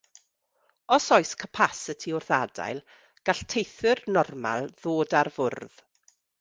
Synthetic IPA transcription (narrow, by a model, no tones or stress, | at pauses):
ɔsɔjskʰəpʰasətʰiʊrθada̰jlˠ | ɡ̥aɬtʰejθɨrnɔrma̰lˠðoːdarvʊrð̥